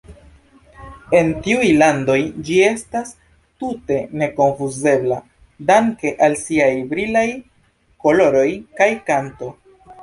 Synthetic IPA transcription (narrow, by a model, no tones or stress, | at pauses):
e̞ntiujlando̞jd͡ʒie̞stas | tute̞ne̞ko̞ɱfuze̞bla | daŋke̞ʔalsiajbɾilaj | ko̞lo̞ɾo̞jkajkanto̞